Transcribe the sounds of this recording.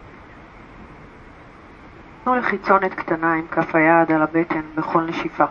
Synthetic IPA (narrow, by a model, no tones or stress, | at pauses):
nuleχit͡so̞net̪kt̪anaimkʰafajaːd̪alabet̪ʰenbeχo̞lneʃifa